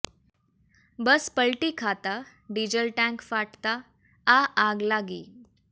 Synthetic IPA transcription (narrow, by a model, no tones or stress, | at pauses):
bəspəlʈikʰat̪a | ɖiːd͡ʑəlʈãŋkfaʈt̪a | aaɡlaɡiː